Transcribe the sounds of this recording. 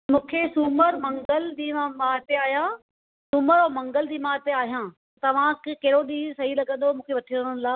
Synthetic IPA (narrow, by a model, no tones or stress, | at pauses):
mũːkʰesuməɾmɐ̃ŋɡəld͡ʑiːmãmaːt̪eaːɦijãː | sʊməɾoːmɐ̃ŋɡəld͡ʑiːmaːt̪eaːɦijãː | t̪ɐʋ̤ãkɪkɐɦɪɾoɗiːsɐɦilɐɡə̃nd̪omũːkʰeʋɐʈʰiəɽ̃ənɪlaː